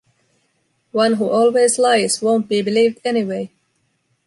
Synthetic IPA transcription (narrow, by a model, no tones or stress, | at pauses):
wʌ̃nɦuːʔɔːlˠwezlaɪzwõʊ̃nt̚b̥iːbɪliːvdɛniweɪ